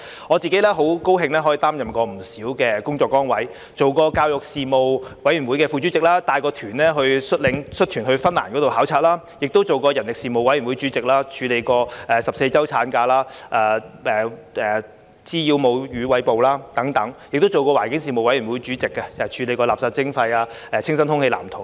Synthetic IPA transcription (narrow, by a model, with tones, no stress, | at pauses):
ŋɔː˨˧t͡siː˨ke˨˥jlɛː˥ɦo˨˥wko˥wɦɪ˧ŋlɛː˥ɦɔ˨˥jt̪aː˥mjɐ˨mkɔː˧m̩˨˩siː˨˥wkɛː˧kʊ˥ŋt͡sɔː˧kːɔː˥ŋwɐ˨˥j | t͡so˨wkɔː˧kaː˧wjʊ˨k̚siː˨mo˨wwɐ˨˥jɥy˨˩nwuː˨˥jkɛː˧fu˧t͡ʃyː˨˥t͡sɪ˨k̚laː˥t̪aː˧jkɔː˧t̪ʰyː˨˩nlɛː˥ɦɵ˧ɥsɵ˥t̚lɪ˨˥ŋsɵ˥t̪ʰyː˨˩nhɵ˧ɥfɐ˥nla̰ː˨˩nkɔ˨˥t̪o˨whaː˨˥wt͡sʰaː˧˥t̚laː˥ | jɪ˨k̚t̪o˥wt͡so˨wkɔː˧jɐ˨˩nlɪ˨ksiː˨˩mo˨wɐ˧˥jɥy˨˩nwu˨˥jt͡ʃy˨˥t͡sɪ˨k̚laː˥t͡ʃʰyː˨˧le˨˧jkɔː˧ɛː˨sɐ˨pse˧jt͡sɐ˥wt͡sʰaː˨˥nkaː˧laː˥ʔaː˧ɛː˨ | ɛː˨ | t͡siː˥jiː˧wmo˨˧wjyː˨˧wɐ˨˧˥jpo˨wlaː˥t̪ɐ˨˥ŋt̪ɐ˨˥ŋjɪ˨k̚t̪o˥wt͡so˨wkɔː˧wa̰ː˨˩nkɪ˨˥ŋsiː˨˩mo˨wɐ˨˥jy˨˩nwuː˨˥jt͡ʃyː˨˥t͡sɪ˨kːɐ˧˨˩t͡ʃʰyː˨˧le˨˧jkɔː˧laː˨p̚saː˧p̚t͡sɪ˥ŋfɐ˧jaː˧ | ɛː˨˧t͡sʰɪ˥ŋsɐ˥nthʊ˥ŋhe˧la̰ː˨˩mt̪ʰʊ˨˩